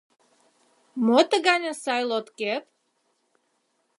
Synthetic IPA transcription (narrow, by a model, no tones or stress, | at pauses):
mot̪əɡɑnʲəsɑjlot̪kep̚